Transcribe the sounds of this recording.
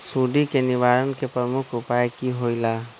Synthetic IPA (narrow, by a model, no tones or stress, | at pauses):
suɖikenibaɾɔnkepɾəmukʰupajkiɦojla